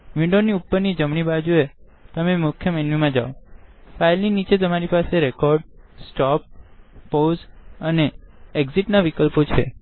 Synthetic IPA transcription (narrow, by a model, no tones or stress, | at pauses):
ʋĩɳɖoniupːəɾnid͡ʒəmɳ̃ibad͡ʒue | t̪əmemʊkʰjəmenʋimãd͡ʒa̰ofailninit͡ʃet̪əmaɾipaseɾekɔɾɖsʈɔp̚ː | ozəneeɡziʈnaʋikəlpot͡ʃʰḛ